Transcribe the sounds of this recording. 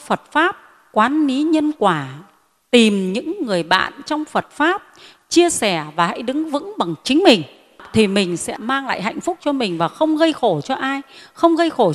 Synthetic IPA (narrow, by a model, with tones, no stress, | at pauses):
fə˨˩t̚faː˦˥p̚ | kwaː˨˦nli˨˦ɲə˧nkwaː˧˩ | t̪i˨˩mɲɨ̰˧˥ŋːɨ˨˩əjɓa̰ː˧˨nt͡ɕɔ˧wŋ͡mfə˨˩t̚faː˦˥p̚ | t͡ɕi˧əsɛ˧˩vaː˨˩ha̰˧˥jɗɨ˨˦ŋvɨ̰˧˥ŋɓa˨˩ŋt͡ɕï˨˦ŋ̟mï˨˩ŋ̟ | t̪ʰi˨˩mï˨˩ŋ̟sɛ̰˧˥maː˧ŋla̰ː˧˨jɦa̰˧˨jŋ̟fʊ˦˥k͡p̚t͡ɕɔ˧mï˨˩ŋ̟vaː˨˩xə˧wŋ͡mɣə˧jxo˧˩t͡ɕɔ˧ʔaː˧jxə˧wŋ͡mɣə˧jxo˧˩